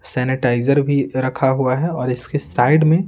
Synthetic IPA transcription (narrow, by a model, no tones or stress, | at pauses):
sɛːnɪʈaːɪzəɾbʱiɾɐkʰaɦuaɦɛɔːɾɪskesaːɪɖmẽ